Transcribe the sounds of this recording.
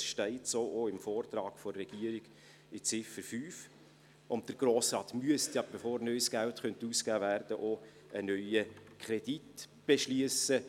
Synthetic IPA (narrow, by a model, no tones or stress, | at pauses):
ʃtɛɪtsoːʔoɪmfɔːrtɾɑːɡ̥fɔrːɛɡ̥iəɾiɡ̥ | ɪt͡sɪfəɾfyːf | ʔʊnt̚d̥əɾɡ̥ɾoːsɾɑːtmyəstjɑb̥efoːɾnœʏsɡ̥æltχœntuːskæːvæɾdəʔo | ənœʏəkʰχɾɛd̥itb̥eʃliəsə